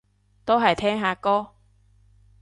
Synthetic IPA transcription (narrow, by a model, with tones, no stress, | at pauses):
t̪o˥wɦɐ˨˩jt̪ʰɛː˥ŋɦaː˨˧kɔː˥